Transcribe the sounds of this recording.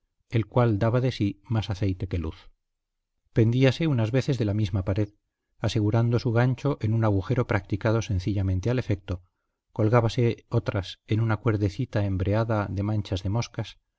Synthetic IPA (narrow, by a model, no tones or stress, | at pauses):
e̞lkwald̪aβaðe̞simasaθe̞jt̪e̞ke̞luθ | pe̞nd̪iase̞unazβe̞θe̞zðe̞lamizmapaɾe̞ð | ase̞ɣ̞uɾand̪o̞suɣ̞ant͡ʃo̞ʔenunaɣ̞uxe̞ɾo̞pɾak̚t̪ikað̞o̞se̞nθiʎamẽnt̪eale̞fe̞k̚t̪o̞ | ko̞lɣaβase̞ot̪ɾasenunakwe̞ɾðe̞θit̪ae̞mbɾe̞aðaðe̞mãnt͡ʃazðe̞mo̞skas